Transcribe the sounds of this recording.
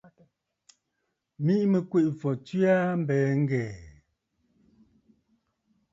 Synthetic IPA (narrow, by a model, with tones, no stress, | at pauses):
mi˦ʔmə˨kwe˦˨ʔfɔ˨ti˦a˦m̩˦bɛː˨˦ŋ˦ɡɛː˨